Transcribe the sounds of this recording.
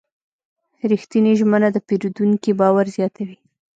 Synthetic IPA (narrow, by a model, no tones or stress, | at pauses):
ɾixt̪iniʒmənad̪əpeɾud̪uŋkibɑwaɾzjɑt̪ʰawi